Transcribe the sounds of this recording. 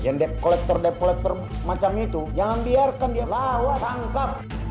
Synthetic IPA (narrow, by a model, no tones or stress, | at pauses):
jaŋdɛp̚kɔlɛk̚t̪ɔrdɛp̚kɔlɛk̚t̪ɔr | mat͡ʃamit̪ud͡ʒaŋambiarkandialalat̪aŋkap̚